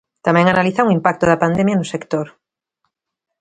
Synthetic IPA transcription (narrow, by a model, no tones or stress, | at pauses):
t̪amẽŋanaliθauŋimpak̚t̪oðapand̪emjanusekt̪oɾ